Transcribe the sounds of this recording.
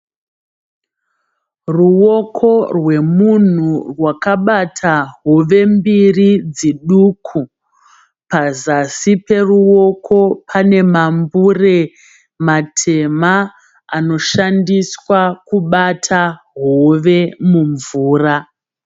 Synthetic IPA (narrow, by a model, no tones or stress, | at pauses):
ruwo̞kʰo̞rwe̞mun̤urwakaɓatʰaɦoʋe̞mbirid͡ziɗukʰu | pazasipe̞ruo̞kʰo̞pʰane̞mambure̞ | matʰe̞ma | ano̞ʃandiswakuɓatʰaɦoʋe̞muɱvuːra